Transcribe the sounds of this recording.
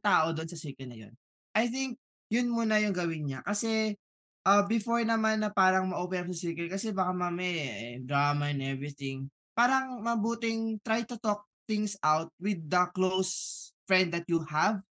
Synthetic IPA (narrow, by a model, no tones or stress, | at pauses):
t̪aːʔod̪oʔonsɐsiɹkɛlnɐ̰jo̰n | ʔɐjθɪŋk̚ | jʊnmuːnɐjʊŋɡɐwɪnɲakɐsɛ | ʔɐbɪfoɹnɐmanːɐpaːɾɐŋmɐʔopɛnɐpsɐsiɹkɛlkɐsɛbakamamɛʔɛd̪ɹaːmɐɛnʔɛvɹɪθɪŋ | paːɾɐŋmɐbuːt̪ɪŋt̪ɾajt̪ʊt̪ok̚θɪŋsʔawt̪̚wɪd̪̚ːɐklowsfɹɛ̃nd̪̚d̪ɐt̪̚juhav